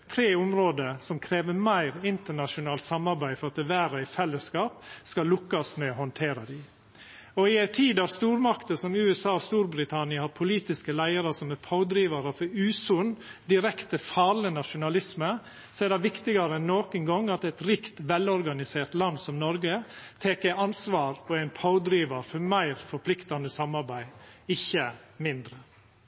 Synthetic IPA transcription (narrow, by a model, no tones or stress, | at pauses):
t̪ʰɾeːʊmɾoːd̪əsɔmkʰɾeːʋəmæɪɾɪnt̪əɳɑʂʊnɑːlt̪sɑmɑɾbæɪfɔɾɑt̪̚ɛʋæːɾəæɪfɛlːəskɑːp̚skɑlʊkːɑsmɛɔhɔnt̪ʰeːɾɑd̪ɪ | ɔɪæɪt̪ʰiːd̪ɑɾst̪uːɾmɑkt̪əsɔmʉːɛsɑːɔst̪uːɾbɾɪt̪ʰɑnɪəhɑɾpʰʊliːt̪ɪskəlæɪəɾəsɔmæpʰɑʊd̪ɾiːʋɑɾəfɔɾʉːsʊnd̪ɪɾɛkt̪əfɑːɭənɑʃʊnɑlɪsmə | sɔædɑʋɪkt̪ɪɡɑɾəɛnːoːkənɡɔŋːɑt̪ɛt̪ɾɪkt̪ʋɛlɔɾɡɑnɪseːɾt̪lɑnsɔmnɔɾɡət̪ʰeːkæɪɑnsʋɑːɾpʰɔæɪnpʰɑʊd̪ɾiːʋɑɾfɔɾmæɪɾfɔɾpʰlɪkt̪ɑnd̪əsɑmɑɾbæɪɪçːəmɪnd̪ɾə